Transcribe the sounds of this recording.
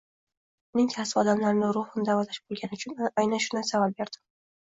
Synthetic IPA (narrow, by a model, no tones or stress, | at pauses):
ʊnɪŋt̪ʰasɪɒd̪amlaɾnɪɾʊhʊnd̪avɒlaʃbolˠɡʲanɪʊt͡ʃʰʊnʔajnanʃʊnasavap̚be̞ɾd̪̥ɪ